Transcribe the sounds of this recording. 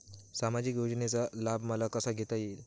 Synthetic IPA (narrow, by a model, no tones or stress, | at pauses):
samad͡ʑiːkjod͡ʑɳet͡salabʱməlakəsaɡʱet̪ail